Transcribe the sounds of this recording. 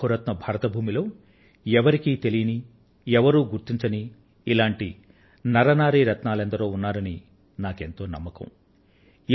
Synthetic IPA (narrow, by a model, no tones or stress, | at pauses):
uɾɐt̪nɐbʱaːɾɐt̪ɐbʱuːmilo̞ː | ɛʋɐɾikiːt̪e̞lijɐni | ɛʋɐɾuːɡuɾt̪iɲt͡ʃɐniː | laːɳʈi | nɐɾɐnaːɾiːɾɐt̪naːlɐnd̪ɐɾoːunːaːɾɐni | naːke̞nt̪o̞ːnɐ̰mːɐkɐ̰̃m